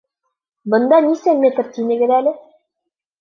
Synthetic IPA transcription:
bɤ̆nd̪ɑnisænmʲet̪rt̪inɘ̆ɡɘ̆ðælɘ

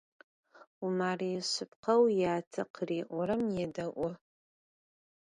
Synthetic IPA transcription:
umaːrijɕʊpqʰɐwjaːtʰɐqʰriːʔʷɔɾɐmjɛdɐʔʷʊ

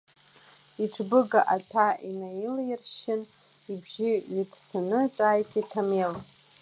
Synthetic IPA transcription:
iʈ͡ʂʰbɨɡaʔatʰainajilɪrʃɪn | ibʒiitʰt͡sʰanɨʈ͡ʂʷʼajkʼitʰamel

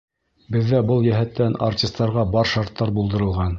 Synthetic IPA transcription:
bɘ̆ðːæbɤlˠjæɦæt̪ːæna̰rtʲist̪ːɑɾʁɑbɑɾʃɑɾt̪ːɑɾbulˠd̪ɤ̆ɾɤ̆lˠʁɑn

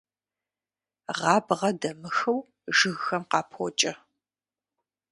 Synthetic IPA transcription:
ʁɑːbʁɐdɐmɨxɨw | ʒɨɣxɐmqɑːpʰo̰t͡ʃʼɐ

